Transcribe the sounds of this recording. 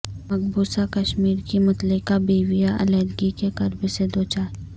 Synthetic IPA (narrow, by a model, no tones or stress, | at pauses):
mɐɡbuːsakɐʃmiːɾkimɐt̪lɪkabiːʋijaʔɐ̰lɛːɾɡikekɐɾbsed̪oːt͡ʃaː